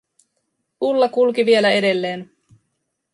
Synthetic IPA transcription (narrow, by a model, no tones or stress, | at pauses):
ulːɑkulk̟iʋie̞læe̞de̞lːe̞ːn